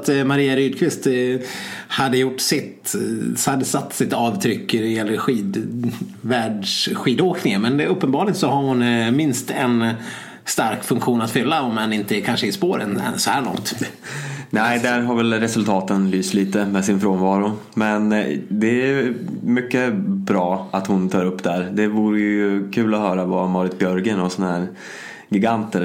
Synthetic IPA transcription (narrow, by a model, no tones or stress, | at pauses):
t̪maɾiːaɾyːd̪̚kʰvɪst̪ | had̪ːəjʊʈːsɪt̪ | ad̪ːəsat̪ːsɪt̪ɑːvt̪ʰɾʏkːdɛjɛlːəɾɧiːd̪ | væːɖʂɧiːd̪oːknɪŋəmɛnɵpːənbɑːɭɪɡt̪sɔhaɾhʊnmɪnst̪ɛn | st̪aɾkfɵŋkɧuːnat̪fʏlːaɔmɛnɪnt̪əkʰanʂəɪspoːɾə̰nɛ̰nsɔhæːɭɔ̰ŋt̪ | nɛɪd̪æɾɦaɾvɛlɾɛsɵlt̪ʰɑːt̪ənlyːst̪liːt̪əmɛsɪnfɾoːnvɑːɾʊ | mɛnd̪ɛæmʏkːəbɾɑːat̪hʊnt̪ʰɑːɾɵpːd̪æɾd̪ɛvuːɾəjɵkʰʉ̟ːlɔhœːɾavamɑːɾɪt̪bjœɾɡənɔsɔnahæːɾ | ɡɪɡant̪əɾ